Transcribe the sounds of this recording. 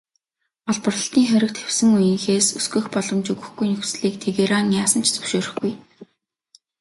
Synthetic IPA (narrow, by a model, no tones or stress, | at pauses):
ɔɮpə̆rə̆ɬt̪iːŋχæɾʲɪ̆k̚t̪xew̥sɘ̆ŋujɪ̆ŋxeːsɵsɡɵ̆ːxpɔɮɞ̆mt͡ɕɵɣɵ̆xɡujnɵxsɮiːkt̪ʰeɣeɾaːnjaːsə̆n̥t͡ɕʰt͡sɵ̥wʃoːɾɵ̆xɡuj